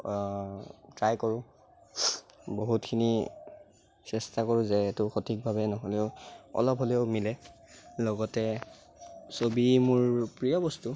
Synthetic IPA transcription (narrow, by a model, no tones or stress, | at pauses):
tɹajkoɹʊ̃ | boɦutkʰini | sɛstakoɹʊ̃zɛːtʊxotʰik̚bʱabɛnɔɦɔleʊɔ̰lɔpɦɔlɛʊmilɛlɔɡɔtɛ | sobimʊɹpɹijɔbɔstu